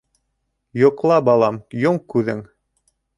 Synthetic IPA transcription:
jŏqlˠɑbɑlˠɑmjoɴkʉðɘŋ

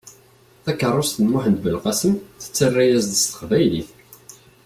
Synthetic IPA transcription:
θækːərˤːost̪ənmʊħənd̪bəlqɑsəmθə̥t͡sːərːæjæzd̪əst̪ə̥qvæjliθ

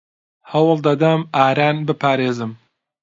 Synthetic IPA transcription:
hɐwɨlˠd̪ɐd̪ɐmaːɾaːnbɨpʰaːɾeːzɨm

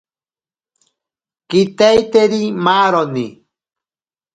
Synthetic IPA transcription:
kit̪ajt̪eɾimaːɾoni

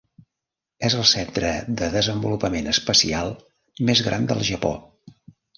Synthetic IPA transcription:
ezəlˠsɛnt̪ɾəðəðəzəmbulupəmenəspəsialˠ | mezɣɾand̪ə̰lˠʒəpo̰

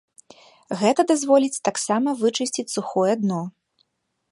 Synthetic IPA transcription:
ɣɛt̪ɐd̪azvɔlʲit͡sʲt̪aksamɐvɨt͡ʂɨsʲt͡sʲit͡sʲsuxɔjɛad̪nɔ

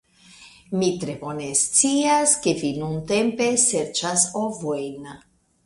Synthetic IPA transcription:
mit̪ɾe̞bo̞nest͡siaske̞vinunt̪e̞mpe̞se̞ɾt͡ʃasovo̞jn

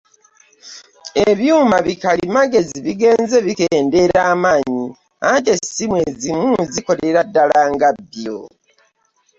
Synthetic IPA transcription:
eβjuːmaβikalimaɡe̞ziβiɡe̞ːnze̞βikeːnde̞ɾaːmaːɲi | ante̞simwezimuziko̞le̞ɾadːalaːŋɡabjo

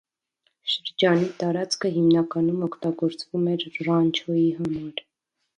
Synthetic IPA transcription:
ʃəɾd͡ʒɑnit̪ɑɾɑt͡skʰəɦimnɑkɑnumɔkʰt̪ɑɡɔɾt͡svumɛɾrɑnt͡ʃʰɔjiɦɑmɑɾ

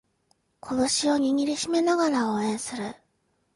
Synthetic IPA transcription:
kʰo̞d̪o̞ɕio̞ɲ̟iɲʲiɾʲiɕime̞naɡaɾaoːẽ̞ɰ̃sɨɾɯ̟

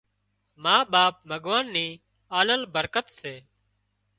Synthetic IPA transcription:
maːɓaːp̚mʱəɠʋaːnːiː | aːləlbəɾkət̪seː

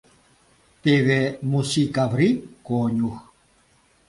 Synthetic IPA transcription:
t̪eβemusikavɾikoɲux

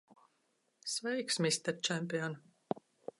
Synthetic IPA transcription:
svɛjksmʲisʲt̪ɛɾt͡ʃæmʲpiɔn

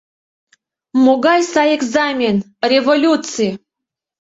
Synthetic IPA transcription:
moɡɑjsɑjeɡzamʲen | rʲevolʲut̪t͡sɨ

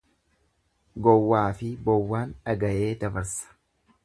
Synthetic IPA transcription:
ɡɔwːaːfɪbɔwːaːnɐɡɐʔe̞ːd̪ɐbɐɾsɐ̥

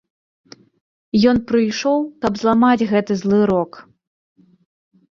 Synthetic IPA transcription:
jɔnpɾɨjʂɔwkɐbzlˠamad͡zʲɣɛt̪ɨzlˠɨɾɔk

